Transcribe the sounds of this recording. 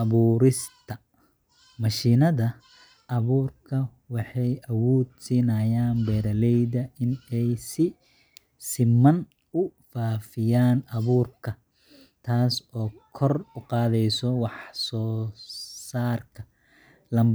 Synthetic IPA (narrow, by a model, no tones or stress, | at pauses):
ʔɐβuːɾɪst̪ʰɐ | mɐʃiːnɐðɐ | ʔɐβuːrkʰɐ | wɑħɑjʔɐwɔːd̪siːnɐːjaːnbɛːɾɐlɛjðɐʔɪnɛjsɪ | sɪmɐn | ʊfaːfɪjaːnɐβuːrkʰɐ | t̪ʰaːsɔːkʰɔrʊqɑːðɛjsɔwɑħsɔː | saːrkʰɐ̥ | lɐm